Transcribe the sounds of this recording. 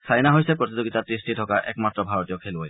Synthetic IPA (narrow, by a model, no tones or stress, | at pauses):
sʰajnaɦojsɛpɹotizoɡitatɹistitʰɔkaʔɛ̰kmatɹɔbʱaɹɔtijɔkʰeloj